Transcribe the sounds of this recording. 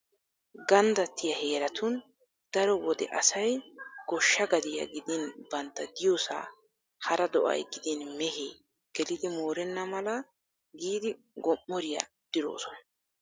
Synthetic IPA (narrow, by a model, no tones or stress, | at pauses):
ɡɐnd̪ɐt̪ːɪjɐhe̞ːɾɐt̪ʊn | d̪̥ɐɾɔwɔd̪ɛ̰ʔɐsɐjɡ̥ɔʃːɐɡɐd̪ɪjɐ̰ɡɪd̪ɪnbɐnt̪ːɐd̪ɪjoːsa̰ː | hɐɾɐd̪ɔʔɐ̰jɡɪd̪ɪnmɛheː | ɡ̥ɛlɪd̪ɪmo̞ːɾɛnːɐmɐlɐ | ɡiːd̪ɪ | ɡɔmːɔɾɪjɐ̰ | d̪̥ɪɾo̰ːsɔnɐ